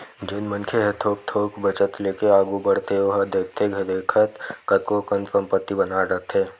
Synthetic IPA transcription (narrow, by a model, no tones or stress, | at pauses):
d͡ʒɪnmənkʰeɦɛt̪ʰoːk̚t̪ʰoːkbət͡ʃət̪leːkeaːɡubəɽ̤t̪eoɦəd̪eːt̪eɡʱɐd̪eːkʰət̪kət̪̚kokənfʰəmpət̪ːibɐnaɾət̪ʰeː